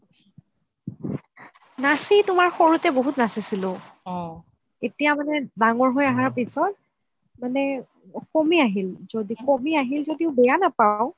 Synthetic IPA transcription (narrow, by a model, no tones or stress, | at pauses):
nasitʊmaɹxoɹutɛboɦutnasisilʊ̃ | etijamanɛdaŋɔɹɦojaɦaɹpisɔt̚ | manɛ | komiaɦilzodikomiaɦilzodiʊbɛjanapaʊ̃